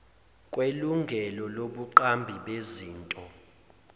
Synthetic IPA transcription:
kʼweluŋɡʱɛlɔloɓuǃambʱiɓeziːntʼɔ

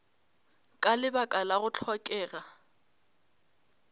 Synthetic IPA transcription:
kʼalɪbakʼalaɣʊt͡ɬʰɔkʼɛːɣa

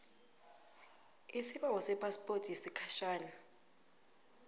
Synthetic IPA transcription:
isiɓaŋɔsɛpʰʼaspʼortʰʼjisikʰaʃaːna

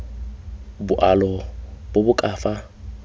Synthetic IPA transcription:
bʊʔalɔbobʊkʼaːfa

